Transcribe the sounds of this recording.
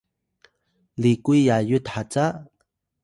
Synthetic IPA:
likujjajutħat͡sa

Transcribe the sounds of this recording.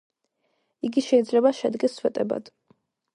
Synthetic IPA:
iɡiʃɛid̪zlɛbaʃɛd̪ɡɛsːwɛt̪ʼɛba̰d̪̥

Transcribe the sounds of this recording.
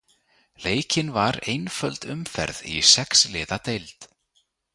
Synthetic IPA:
leːjcɪnvaɾejnfœlt̪ʏmfɛ̰ɾðḭsɛkslɪːðat̪ejlt̪

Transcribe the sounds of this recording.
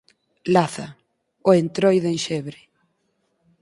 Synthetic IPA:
laθa | oent̪ɾojðenʃɛβɾɪ

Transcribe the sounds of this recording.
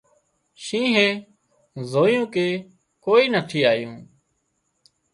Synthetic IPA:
ʃĩːɦeː | zoːjõːkeː | koːiːnəʈ̪ʰiːaːjṵ̃ː

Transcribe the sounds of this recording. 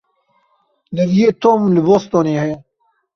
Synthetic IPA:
lɨvijeːt̪oːmlɨbost̪oːneːhɛjɛ

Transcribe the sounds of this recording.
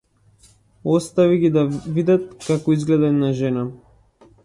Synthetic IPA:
ɔst̪aviɡid̪avid̪at̪̚kakɔizɡlɛd̪ɛnaʒɛna

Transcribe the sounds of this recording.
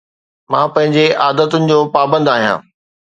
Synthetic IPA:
mãːpɐ̃ɦɪ̃ɲd͡ʑeʔaːd̪ət̪ʊnɪ̆d͡ʑoːpaːbə̃nd̪aːɦijã̰ː

